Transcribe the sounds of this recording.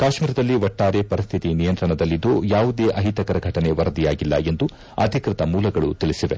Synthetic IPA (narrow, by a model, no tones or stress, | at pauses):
kaːʃmiːɾɐd̪ɐlːiʋɐʈːaːɾepɐɾist̪ʰit̪inijɐnt̪ɾɐɳɐd̪ɐlːid̪ːoːjaːʋud̪eːʔɐɦit̪ɐkɐɾɐɡʱɐʈɐne̞ʋɐɾɐd̪ijaːɡilːɐ̰e̞nd̪u | ɐ̰d̪ʱikɾɪt̪ɐmuːlɐɡɐɭut̪iɭisiʋe